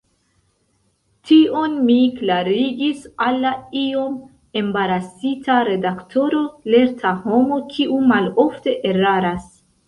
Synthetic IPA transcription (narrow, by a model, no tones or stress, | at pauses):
tio̞nmiklaɾiɡisalːaio̞m | e̞mbaɾasitʰaɾe̞daktʰo̞ɾo̞le̞ɾtʰaho̞mo̞kʰiʔumalofte̞ʔeɾaɾas